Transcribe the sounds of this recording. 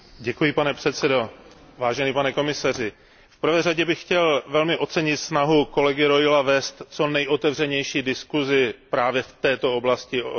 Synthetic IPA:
ɟɛkujɪpanɛpr̥ɛt̪sɛdo̞ | vaːʒɛniːpanɛko̞mɪsarɪ | fpr̩vɛːraɟɛbɪxxcɛlvɛlmɪʔo̞t̪t͡sɛɲɪt̪snaɦuko̞lɛɡɪɾo̞jɪlavɛːst̪t͡so̞nɛjʔo̞t̪ɛvrɛɲɛjʃiːdɪskuzɪpɾaːvjɛft̪ɛːt̪o̞o̞blascɪ

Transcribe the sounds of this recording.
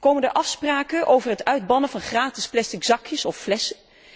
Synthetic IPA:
kowməndəʔɑfspraːkənʔowvərɦətœɥd̚bɑnəvɑnχraːtɪsplɛstɪkz̥ɑkjəsɔfːlɛsə

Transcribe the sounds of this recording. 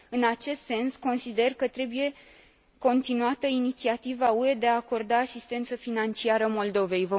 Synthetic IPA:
ɨnat͡ʃe̞st̪se̞nsko̞nsid̪e̞rkət̪ɾe̞buje̞ | ko̞nt̪inuat̪əinit̪siat̪ivaue̞d̪e̞aːko̞rd̪aːsist̪e̞nt̪səfinant͡ʃiaɾəmo̞ld̪o̞ve̞jvə

